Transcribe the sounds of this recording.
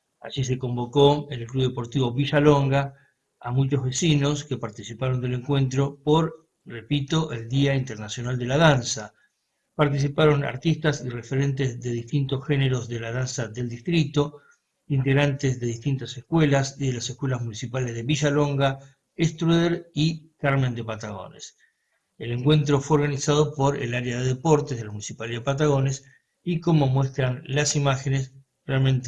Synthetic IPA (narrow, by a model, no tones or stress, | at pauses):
a̰ʒis̬e̞ko̞mbo̞ko̞enelkluβðepo̞ɾt̪iβo̞βiʒaloŋɡa | a̰mut͡ʃozβe̞sinoske̞paɾt̪isipaɾo̞nd̪e̞le̞ŋkwe̞nt̪ɾopoɾ | re̞pit̪oʔeld̪iaint̪eɾnasjonald̪e̞lað̞ansa | paɾt̪is̬ipaɾo̞na̰ɾt̪ist̪asirefeɾe̞nt̪ezðe̞ðist̪int̪osxeneɾo̞zðe̞lað̞ansaðe̞ld̪ist̪ɾit̪o̞ | int̪e̞ɣɾant̪ezðe̞ðiht̪int̪asehkwelasiðelasehkwe̞lazmũnisipalezðe̞βiʒalo̞ŋɡa | est̪ɾuðeɾikaɾmẽ̞nd̪epat̪aɣo̞̰nḛs | ele̞ŋkwe̞nt̪̬ɾo̞fweoɾɣanisað̞o̞po̞ɾḛlaɾjaðeðepo̞ɾt̪ezðelamunisipaliaðepat̪aɣ̞o̞nes | iko̞mo̞mwe̞st̪ɾanlasimaxenes | realmẽnt̪e